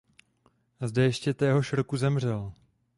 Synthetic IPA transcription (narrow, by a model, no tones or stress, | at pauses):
zdɛjɛʃcɛt̪ɛːɦoʃr̩kuzɛmr̝ɛl